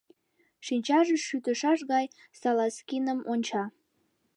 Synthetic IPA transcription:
ʃinʲt͡ɕɑʒəʃyt̪əʃɑʃɣɑj | sɑlɑskinəmonʲt͡ɕɑ

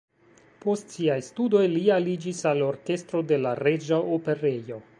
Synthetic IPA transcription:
po̞stsiajstudo̞jlialid͡ʒisalo̞ɾke̞stɾo̞de̞laɾe̞d͡ʒaope̞ɾejo̞

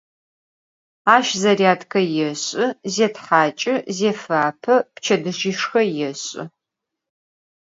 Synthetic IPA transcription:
aːʃzɐriaːtʰkʰɐjɛɕʼɪzeːtħaːt͡ʃʼɪzeːfaːpʰɐpt͡ʃʰɐdɨʒiːʂxɐjɛɕʼɪ̰

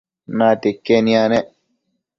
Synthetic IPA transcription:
naːt̪ekːenĩanɛ

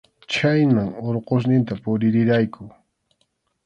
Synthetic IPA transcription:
t͡ʃajnaŋoɾqos̬nɪnt̪apʊɾɪɾɪɾajkʰʊ

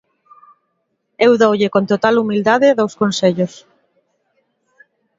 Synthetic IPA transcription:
ewðowʎekont̪ot̪alumild̪aðɪðowskonseʎos

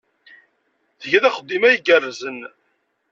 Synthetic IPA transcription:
θəʝæðæχəd̪ːimæjəɡərːzən

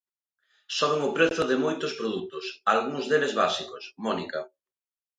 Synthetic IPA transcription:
sɔβ̞eŋʊpɾeθʊðɪmojt̪ʊspɾoðut̪ʊsalɣuŋzðelezβasikʊsmɔnikɐ

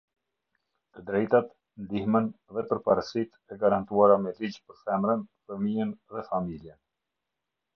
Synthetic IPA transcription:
t̪əd̪ɾɛjt̪at̪ | nd̪ihmənðɛpəɾpaɾəsit̪ɛɡaɾant̪uaɾamɛlid͡ʑpəɾθɛmɾənfəmijənðɛfamiljɛn

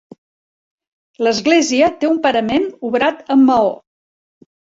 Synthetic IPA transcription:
ləzɣleziət̪eumpəɾəmenuβɾat̪əmːəo

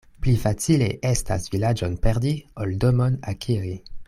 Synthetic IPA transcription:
plifat͡sileʔe̞sta̰svilad͡ʒonpe̞ɾdioldomonakʰiɾi

